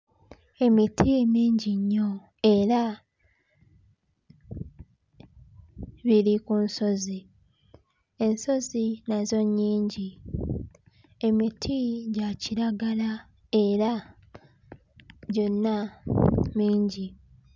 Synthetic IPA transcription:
e̞mitʰiemiːɲɟiɲːo̞ | e̞ɾa | βiɾikunso̞zi | e̞nso̞zinazo̞ɲːiːɲɟi | e̞mitʰiɟaciɾaɡala | e̞ɾa | ɟo̞nːa | miːɲɟi

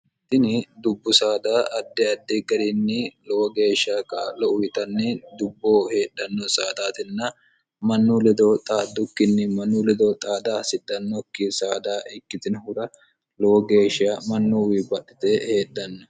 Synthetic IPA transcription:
ɪt̪ːɪnɪd̪ʊbːʊsaːd̪aːʔɐd̪ːɛɐd̪ːɛɡɐɾinːɪlɔwɔɡe̞ːʃakʼaːlɔʔʊjɪt̪ɐnːɪd̪ʊbːoːhe̞ːɗːɐnːɔsaːd̪aːt̪ɪnːɐ | mɐnːuːlɛd̪ot̪ʼaːd̪ːʊkːɪnːɪmɐnːuːlɛd̪oːt̪ʼaːd̪aːsɪd̪ɐnːɔkːɪsaːd̪aːʔɪkːɪt̪ɪnhʊɾɐ | lɔwɔɡe̞ːʃɪamɐnːuwibɐɗːɪt̪ɛhe̞ːɗɐnːɔ

